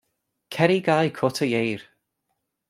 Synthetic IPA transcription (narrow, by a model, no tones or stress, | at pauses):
kʰɛɾiɡajkʰɔtʰəjejɹ